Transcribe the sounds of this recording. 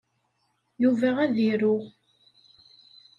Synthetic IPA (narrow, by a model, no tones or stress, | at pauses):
juvæʁæðiɾʊʁ